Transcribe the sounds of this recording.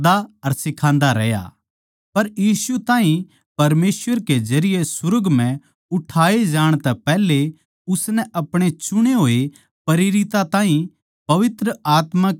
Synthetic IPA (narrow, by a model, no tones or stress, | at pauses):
d̪aɐɾsɪkʰãːnd̪aɾɛja̰ | pɐɾjiːsut̪ãːɦĩ | pɐɾmeːsʋəɾked͡ʒɐɾɪjesʊɾəɡmɛ̃ | ʊʈʰaːed͡ʒaːɽ̃t̪ɛpɛːle | ʊsnɛʔɐpɽ̃et͡ʃʊɽ̃eɦoːe | pɐɾɪɾɪt̪at̪ãːɦĩ | pɐʋɪt̪ɾəaːt̪ma